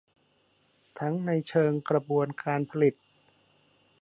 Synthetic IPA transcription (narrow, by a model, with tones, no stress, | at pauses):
t̪ʰa˦˥ŋna˧jt͡ɕʰɤː˧ŋkɾa˧bu˧ənkaː˧npʰa˧li˨˩t̪̚